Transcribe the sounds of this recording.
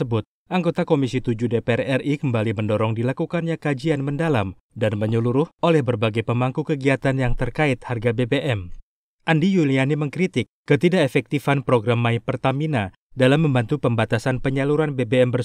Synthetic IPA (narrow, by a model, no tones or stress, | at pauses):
əbʊt̪̚ | ʔaŋɡot̪akomisit̪ud͡ʒudepeɛrɛrʔikəmbaliməndoɾɔŋdilakukanɲakad͡ʒianməndalam | danməɲuluɾʊhʔolɛhbərbaɡajpəmaŋkukəɡiat̪anjaŋt̪ərkaɪt̪harɡabebeʔɛm | ʔandijulianiməŋkɾit̪ɪk̚ːət̪idaefɛk̚t̪ifanpɾoɡɾamːaipərt̪amina | dalamːəmbant̪upəmbat̪asanpəɲaluɾanbebeɛmbər